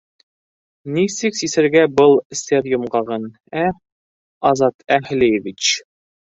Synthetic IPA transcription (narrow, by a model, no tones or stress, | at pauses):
nisɘksisɘ̆ɾɡæbɤlˠsʲerjŏmɢɑʁɤn | æ | ɑzɑt̪ʰæhlejevʲit͡ɕ